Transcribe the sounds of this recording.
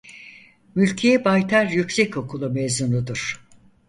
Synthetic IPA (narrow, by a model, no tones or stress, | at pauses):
mylʲcʰejɛbajt̪ʰaɾjycsɛco̞kʰulˠumezmunud̪ɯɾ̥